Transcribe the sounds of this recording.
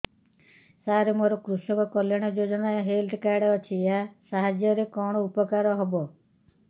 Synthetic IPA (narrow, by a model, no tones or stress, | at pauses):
saɾemoɾɔkɾusɔkɔkɔljaɽ̃ɔd͡ʒod͡ʒɔnaɦelʈkaɽɔt͡ʃʰijasaɦad͡ʒjɔɾekɔɽ̃ɔupɔkaɾɔɦɔbɔ